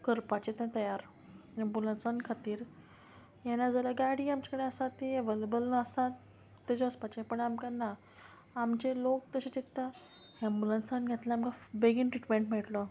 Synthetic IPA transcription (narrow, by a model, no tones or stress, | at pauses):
kəɾpat͡ɕet̪ãt̪əjaɾ | ɛ̃mbulənsankʰat̪iːɾ | jɛnːad͡zʱalaɡaɽiːamt͡ɕakəɽeəsat̪iəʋelebəlnəəsa | t̪ːed͡zoəspat͡ɕepəɳamkanaː | mt͡ɕelokt̪əɕet͡ɕit̪ːa | ɦɛ̃mbulənsanɡʱet̪laamkabeɡinʈɾiʈmẽɳʈm̤ɛʈlə